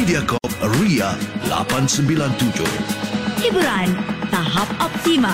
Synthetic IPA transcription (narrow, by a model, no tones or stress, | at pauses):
idiakɔp̚ɾiala̰pansəmbilant̪ud͡ʒo̰hibuɾant̪aɦapɔp̚t̪ima